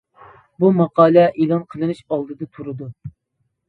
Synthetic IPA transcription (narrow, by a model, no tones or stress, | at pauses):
bumɑqɑːlˠɛʔelˠɑnqʰəlˠɨnɨʃɑlˠd̪ɨd̪ɨt̪ʰuɾɨd̪u